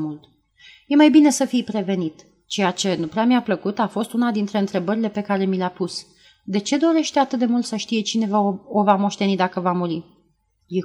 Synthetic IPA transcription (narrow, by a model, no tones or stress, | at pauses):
mult̪ | je̞majbine̞səfijpɾe̞ve̞nit̪ | t͡ʃe̞jat͡ʃe̞nupɾeamiapləkut̪afo̞st̪unad̪int̪ɾe̞ɨnt̪ɾe̞bəɾile̞pe̞kaɾe̞mileapus | d̪e̞t͡ʃe̞d̪o̞ɾe̞ʃt̪e̞at̪ɨt̪̚d̪e̞mult̪səʃt̪ije̞t͡ʃine̞vaovamo̞ʃt̪e̞nid̪akəvamuɾi | je